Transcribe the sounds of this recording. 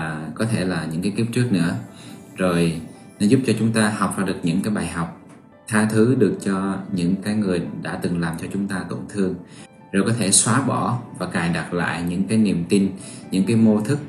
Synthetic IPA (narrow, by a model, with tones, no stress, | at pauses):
kɔ˨˦t̪ʰe˧˩laː˨˩ɲɨ̰˧˥ŋkaː˨˦jki˦˥p̚t͡ɕɨ˦˥ək̚nɨ̰˧˥ə | zo˨˩j | nɔ˨˦zʊ˦˥p̚t͡ɕɔ˧t͡ɕʊ˨˦ŋ͡mt̪aː˧ha˨˩wk͡p̚vaː˨˩ɗɨ˨˩ək̚ɲɨ̰˧˥ŋkaː˨˦jɓaː˨˩jɦa˨˩wk͡p̚ | t̪ʰaː˧t̪ʰɨ˨˦ɗɨ˨˩ək̚t͡ɕɔ˧ɲɨ̰˧˥ŋkaː˨˦jŋɨ˨˩əjɗa̰ː˧˥t̪ɨ˨˩ŋlaː˨˩mt͡ɕɔ˧t͡ɕʊ˨˦ŋ͡mt̪aː˧t̪o̰˧˩ŋ͡mt̪ʰɨ˧əŋ | zo˨˩jkɔ˨˦t̪ʰe˧˩swaː˨˦ɓɔ˧˩vaː˨˩kaː˨˩jɗa˨˩t̚la̰ː˧˨jɲɨ̰˧˥ŋkaː˨˦jnḭ˨˩əmt̪i˧nɲɨ̰˧˥ŋkaː˨˦jmo˧t̪ʰɨ˦˥k̚